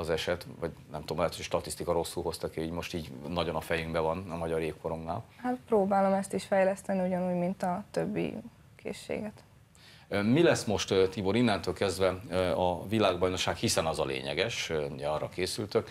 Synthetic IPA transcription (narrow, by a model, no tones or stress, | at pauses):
ɒzɛʃɛt̪vɒɟnɛmt̪uomɛːt̪ʰojʃt̪ɒt̪ist̪ikɒɾo̞sːulɦo̞st̪ɒkeiːɟmo̞ʃt̪iːɟnɒɟo̞nɒfɛjyŋɡbɛvɒnɒmɒɟɒɾeːkko̞ɾo̞mna̰ːlhat̪proːbaːlo̞mɛst̪iʃfɛjlɛst̪ɛniuɟɒnuːɟmint̪ɒt̪øbːḭ | kʰḛːʃːḛːɡɛt̪ | milɛsmo̞ʃt̪t̪ibo̞ɾinːɛnt̪øːlkɛzd̪vɛɒvilaːɡbɒjno̞kʃːaːkhisɛnɒzɒlḛːɲɛ̰ɡɛʃuɟɛɒrɒ̰keːsylt̪øk